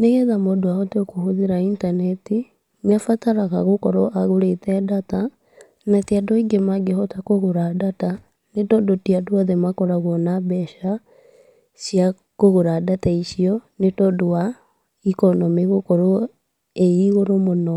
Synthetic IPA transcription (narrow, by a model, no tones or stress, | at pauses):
neɣɛðamodoaɔtokohoðiɾaintanɛti | nafataɾaɣaɣokɔɾɔʔaɣoɾetɛdata | natiadɔiɡemaɡehɔtakoɣoɾadata | nedɔdotiadoaðemakɔɾaɣwɔnabɛʃa | sja | koɣoɾadataiʃiɔnedɔdoa | ikɔnɔmiɣokɔɾo | eiɣoɾomonɔ